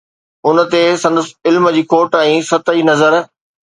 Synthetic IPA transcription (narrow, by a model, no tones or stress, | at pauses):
ʊnə̆t̪esɐ̃nd̪əsɪlmd͡ʑiːkoːʈɛ̃ːsɐt̪əinɐzəɾ